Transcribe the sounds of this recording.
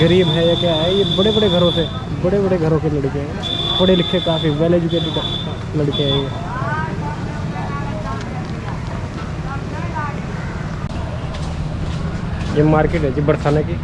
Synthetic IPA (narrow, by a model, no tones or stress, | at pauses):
ɡəɾiːbɦɛjakjaɦɛjebɐɽebɐɽeɡʱɐɾõse | bɐɽebɐɽeɡʱɐɾõkelɐɽkeɦɛ | bɐɽelɪkʰːẽkaːfiʋɛːleːd͡ʒʊkeːʈikə | lɐɽkeɛe | jemaːɾkeʈɦɛd͡ʒibɐɽsaneki